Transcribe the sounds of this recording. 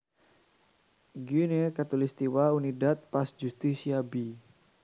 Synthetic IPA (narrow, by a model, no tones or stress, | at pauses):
ɡunekat̪ulist̪iwaunidat̪̚pasd͡ʒust̪isiabi